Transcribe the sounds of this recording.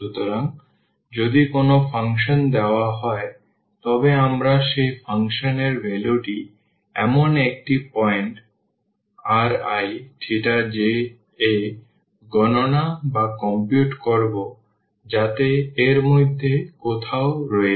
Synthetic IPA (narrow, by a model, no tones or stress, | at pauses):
ʃut̪oɾaŋ | d͡ʑod̪ikonofʰaŋʃond̪eoaɦɔe | t̪ɔbeamɾaʃejfʰaŋʃoneɾbeloʈi | ɛ̰monek̚ʈipɔjeɳʈ | aɾajʈʰiʈad͡ʑe | e | ɡɔnonabakɔmpjuʈkoɾbo | d͡ʑat̪eːɾmojd̪ʱːekot̪ʰaoɾɔe